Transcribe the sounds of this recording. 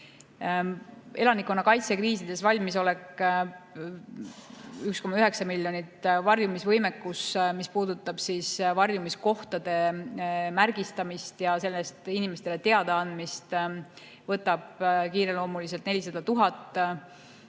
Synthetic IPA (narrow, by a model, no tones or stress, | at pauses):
e̞lɑnikːˑo̞nːɑkɑjt̪sekriːsid̪̥e̞svɑlʲmiso̞lekː | ykskomɑyɦe̞ksɑmilːjo̞nit̪ːvɑrjumisvɤjmekːusmispuːd̪̥ut̪ːˑɑb̥sisvɑrjumisko̞ht̪ɑd̪̥e̞ | mærɡ̥ist̪ɑmist̪jɑse̞lːest̪inimest̪ele̞t̪e̞ɑd̪eɑnd̪mist̪ | vɤt̪ːˑɑb̥kiːɾe̞lo̞ːmulis̬e̞lt̪ne̞lʲisɑd̪̥ɑt̪uɦɑt̪ːˑ